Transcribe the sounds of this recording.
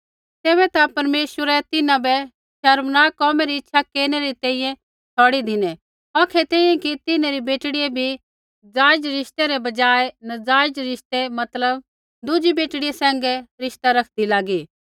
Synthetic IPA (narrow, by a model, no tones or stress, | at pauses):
t̪ɛːβɛt̪apɐɾmeːʃwəɾɛt̪ɪnãbɛ | ʃɐɾmnaːkɔːmɛɾiɪtːʃʰakeːneɾit̪ɛ̃ːĩːjɛ̃ | tʰɔːɽid̪ʱɪnɛ | ɔːkʰɛt̪ɛ̃ːĩjɛ̃kit̪ɪnãɾibeːʈɽijebʱi | d͡zaːɪd͡ʒɾɪʃt̪eɾɛbɐd͡ʒaːenɐd͡zaːɪd͡ʒɾɪʃt̪emɐt̪ləb̚ | d̪ʊd͡ʒibeːʈɽɪjesɛ̃ːŋɡɛɾɪʃt̪aɾɐkʰd̪ilaːɡiː